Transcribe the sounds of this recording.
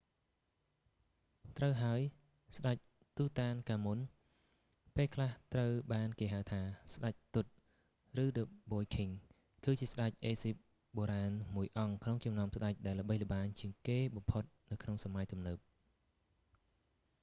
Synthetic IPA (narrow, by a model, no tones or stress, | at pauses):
t̪rəwɦaəj | sɗac̚ | t̪uːt̪aːnkaːmun | peːlkʰlaht̪rəwɓaːnkeːɦaəwt̪ʰaːsɗac̚t̪ut̪̚ | rɨːɗəɓoːjkʰiŋ | kɨːt͡ɕiəsɗac̚ʔeːsip̚ | ɓoːɾaːnmuəjʔɑŋkʰnoŋt͡ɕɑmnaɔəmsɗac̚ɗaɛlːə̆ɓəjlə̆ɓaːɲt͡ɕiəŋkeːɓɑmpʰot̪̚nɨwkʰnoŋsamajt̪umnəːp̚